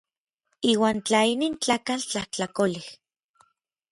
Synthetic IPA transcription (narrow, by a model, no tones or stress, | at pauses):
iːwaːnt͡ɬainiːnt͡ɬaːkalt͡ɬaht͡ɬakolih